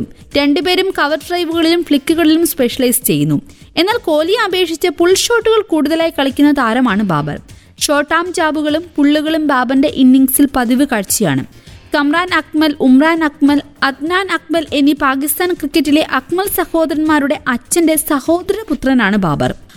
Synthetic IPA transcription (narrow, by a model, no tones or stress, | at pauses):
ɾe̞ɳɖupe̞ːɾumkɐʋɐrɖrɐjʋuɣɐɭilumfɭikːuɣɐɭilumspe̞ʂɐlɐjst͡ɕe̞jːunːue̞nːaːlko̞ːlijɐmɐbe̞ːkʂit͡ɕːɐpuɭːɕo̞ːʈːuɣɐɭkuːɽuðɐlaːjikɐɭɐkʲːunːɐt̪aːɾɐmaːɳɨba̰ːbɐ̰r | ɕo̞ːʈːaːmt͡ɕaːbuɣɐɭumpuɭːuɣɐɭumbaːbɐnde̞ʔinːiŋɡsilpɐðiʋɨkaːɻt͡ɕːija̰ːɳɨ̰ | kɐmraːnɐk̚mɐlumraːnɐkmɐl | ɐd̪̚naːnɐk̚mɐlenːipaːkist̪aːnkrikːɐtːile̞ʔɐkmɐlsɐho̞ːd̪ɐɾɐnmaːɾuɽe̞ʔɐt͡ɕːɐnde̞sɐho̞ːd̪ɐɾɐɾɐput̪rɐnaːɳɨba̰ːbɐ̰r